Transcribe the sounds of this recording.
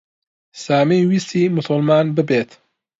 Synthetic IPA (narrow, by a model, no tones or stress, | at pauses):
saːmejwisiːmʊsʊlˠmaːnbɨbeːt̪